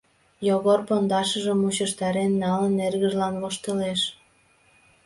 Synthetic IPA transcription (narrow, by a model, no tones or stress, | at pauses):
joɣorpond̪ɑʃəʒə̆mːut͡ɕəʃt̪ɑɾenːɑlənːerɣəʒlɑnvoʃt̪əleʃ